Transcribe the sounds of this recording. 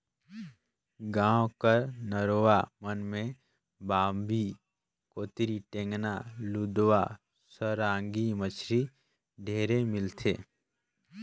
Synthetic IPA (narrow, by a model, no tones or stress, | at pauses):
ɡãːwkəɾnəɾowamənmẽ | baːmbiː | koːt̪ɾiʈẽːŋɡnalud̪wa | səɾãːŋɡimət͡ʃʰɾi | ɖʱeːɾemɪlt̪ʰeː